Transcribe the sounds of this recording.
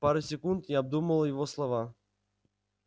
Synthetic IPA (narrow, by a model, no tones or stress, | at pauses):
paɾʊsʲɪkunt̪jaɐb̚d̪uməlˠəjɪvoslˠɐva